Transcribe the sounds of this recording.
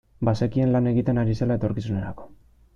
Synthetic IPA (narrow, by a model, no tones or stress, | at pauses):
basekie̞nlane̞ɣit̪e̞naɾise̞lae̞t̪o̞ɾkisune̞ɾako̞̥